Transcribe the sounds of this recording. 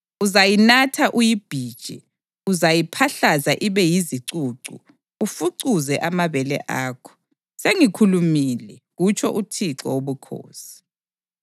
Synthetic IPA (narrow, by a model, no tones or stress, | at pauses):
uzajinatʰaʔujib̥ʱiːd̥ʒ̥ʱḭ | uzajipʰaɬazaʔiβɛjiziǀuǀṵ | ufuǀuzɛʔamaβɛlɛ̰ʔaːkʰɔ̥ | seŋikʰulumilɛɣut͡ʃʰɔʔutʰiǀɔoβukʰo̰ːsi̥